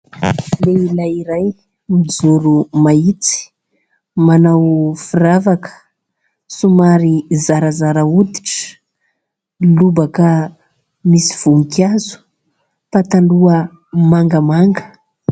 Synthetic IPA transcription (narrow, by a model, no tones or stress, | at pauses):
leilajiɾaj | mid͡zuɾumait͡si̥ | manawfiravakə̥ | sumaɾizaɾazaɾəud̪i̥ʈ͡ʂə̥ | lubakə | misi̥v̥uŋikiazu̥ | pat̪aluə | maŋɡəmaŋɡə̥